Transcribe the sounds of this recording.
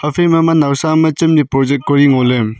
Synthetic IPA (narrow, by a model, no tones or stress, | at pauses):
ɐpʰemɐmɐnawsamɐt͡ʃimnipɾɔd͡ʒekoɾiŋolem